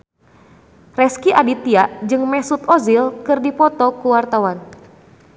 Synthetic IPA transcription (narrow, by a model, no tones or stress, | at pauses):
rɛskiʔadit̪iaʔd͡ʒɨŋmɛsut̪ɔzilkɨrdipɔt̪ɔkuwart̪awan